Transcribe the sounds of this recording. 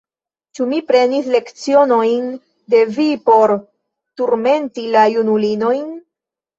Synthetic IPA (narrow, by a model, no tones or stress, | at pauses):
t͡ʃumipɾe̞nisle̞kt͡sio̞no̞jn | de̞vipo̞ɾ | tuɾme̞ntilajunulino̞jn